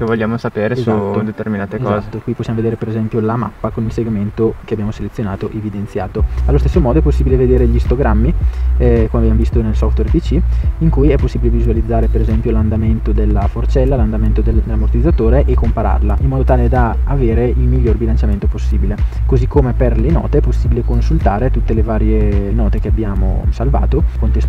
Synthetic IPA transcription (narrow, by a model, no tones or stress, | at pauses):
kevoʎːaːmosapeːɾezaod̪et̪erminaːt̪ekɔːzt̪ːokwiposːjamoved̪eːɾepeɾezɛmpjolama̰pːakonilseɡment̪okeabjaːmoselet̪sːjonaːt̪oʔevid̪ensja̰ːt̪oalːost̪esːomɔːd̪oɛpːosːiːbileved̪eːɾeʎist̪oɡɾamːiɛkomeabjamovist̪onelsɔft̪wɛrpit͡ʃiiŋkujɛpːosːiːbilevizualid̪zːaːɾepeɾezɛmpjoland̪ament̪od̪elːafort͡ʃɛlːaland̪ament̪od̪eld̪elːamort̪id̪zːat̪oːɾeʔekːompaɾa̰rlaimːɔːd̪ot̪aːled̪aaveːɾeilmiʎːorbilant͡ʃjament̪oposːiːbilekozikʰːomeperlenɔ̰ːt̪eɛpːosːiːbilekonsult̪aːɾet̪ut̪ːelevaːɾjenɔːt̪ek̟eabjaːmo̰salva̰ːt̪okont̪es